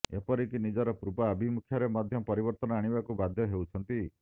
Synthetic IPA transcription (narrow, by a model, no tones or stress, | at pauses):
epɔɾik̪inid͡ʒɔɾɔpɾupaːbʱimukʰjɔɾemɔd̪ʱjɔpɔɾibɔɾt̪ɔnɔaɽ̃ibakubad̪ʱjɔɦewt͡ʃʰɔnt̪i